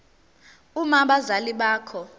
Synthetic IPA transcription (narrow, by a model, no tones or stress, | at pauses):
umaɓazaliɓaːkʰɔ